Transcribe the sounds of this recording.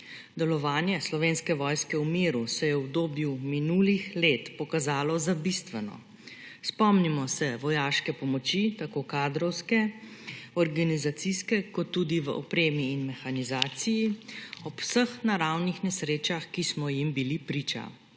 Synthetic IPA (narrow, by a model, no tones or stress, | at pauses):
d̪ɛlɔʋaːnjɛslɔʋeːnskɛʋɔːjskɛwmeːɾusɛjɛwbd̪oːbjuminuːlixleːt̪pɔkazaːlɔzabist̪ʋɛnɔ̰ | spɔmnimɔsɛʋɔjaːʃkɛpɔmɔt͡ʃit̪akoːkaːd̪ɾɔwskɛ | ɔɾɡanizat̪siskɛkɔt̪ːuːd̪iʋə̰ʔɔpɾeːmiːnmɛxanizaːt̪sijiɔpwsəxnaɾawnixnɛsɾeːt͡ʃaxkismɔjimbilipɾiːt͡ʃa̰